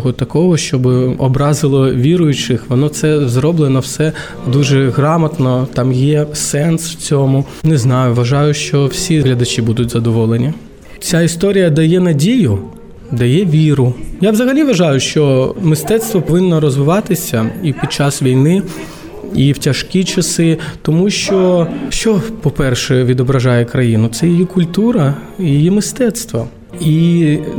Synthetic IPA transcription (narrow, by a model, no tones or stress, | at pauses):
ɔɦɔt̪ɐkɔɦɔʃt͡ʃɔbɪɔbɾɑzɪlˠɔʋʲiɾʊjʊt͡ʃɪxʋɔnɔt̪sɛzɾɔblˠɪnɔwsɛ | d̪uʒɛɣɾɑmɐt̪nɔt̪ɑmjɛsɛnswt͡sʲɔmʊ | nɛznɑjʊʋɐʒɑjʊʃt͡ʃɔwsʲiɦlʲɐd̪ɐt͡ʃibud̪ʊtʲzɐd̪ɔʋɔlˠenʲi | t͡sʲaist̪ɔɾʲijɐd̪ɐjɛnɐdʲijʊ | d̪ɐjɛʋʲiɾʊjaʋzɐɦɐlʲiʋɐʒɑjʊʃt͡ʃɔmɪst̪ɛt̪st̪ʋɔpɔʋɪnːɔɾɔzʋɪʋɑt̪ɪsʲɐipʲid̪̚t͡ʃɑsʋʲijnɪ | iwtʲɐʃkʲit͡ʃɐsɪt̪ɔmuʃt͡ʃɔʃt͡ʃɔpɔpɛrʃɛʋʲid̪ɔbɾɐʒɑjɛkɾɐjinʊt̪sɛjijikʊlʲt̪uɾɐ | ijijimɪst̪ɛt̪st̪ʋɐ | i